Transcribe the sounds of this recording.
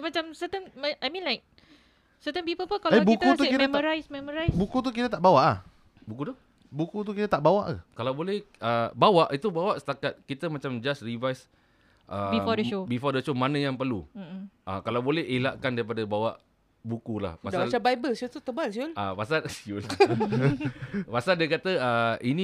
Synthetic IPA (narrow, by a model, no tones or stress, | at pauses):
mat͡ʃamsət̪əŋmaajmĩnlajk̚ | sət̪ə̃mpipəlpənkalabuik̪uuitmmɔɾajsmɛmɔɾajbukut̪̬uk̬it̪ət̪aʔbawaʔlah | bukut̪u | bukut̪̬ukit̪ət̪aʔbawa̰ʔakalawbolɛhəbawaʔit̪ubawaʔsə̥t̪akat̪̚kit̪əmat͡ʃamd͡ʒasrivajs | ʔəbifɔdəʃobifɔdəʃomanə̃jaŋpərluʔa̰kalawbolɛɦelaʔkandaɾipadabawaʔ | bukula̰hpadasaalt͡ʃabajbəlsiult̪ut̪əbalsiʊlapas̬alsiul | pasaldiakat̪əəinĩ